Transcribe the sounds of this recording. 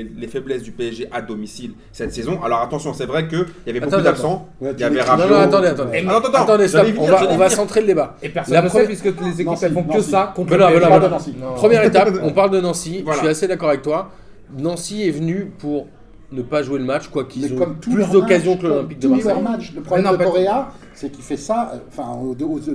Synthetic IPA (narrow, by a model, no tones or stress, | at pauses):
lefɛblɛsd̪ypeɛʒeʔad̪ɔmisil | sɛt̪sezɔ̃ʔa̰lɔʁat̪ɑ̃sjɔ̃sɛvʁɛkəjavɛbatoɑ̃kud̪ed̪apssɑ̃javɛʁap̪at̪ɑ̃d̪eat̪ɑ̃d̪ẽt̪d̪at̪ɑ̃d̪esʒvɔ̃vaɔ̃vasɑ̃t̪χeləd̪ebaepɛʁslappiskəlezekipɛlfɔ̃kəsakɔ̃ɛnɔ̃vɛnaanɑ̃sinpχəmjɛʁet̪apɔ̃paʁld̪ənɑ̃sivaʃiased̪akɔʁavɛk̚t̪wa | nɑ̃siɛvnypuʁ | nəpaʒueləmat͡ʃkwakilzɔ̃ɔmuplysd̪ɔkazjɔ̃klolɛ̃pik̚d̪əmɛmat͡ʃləpχɔbɛnpɛɔʁea | sɛkʲifɛsaɑ̃fɛ̃d̪o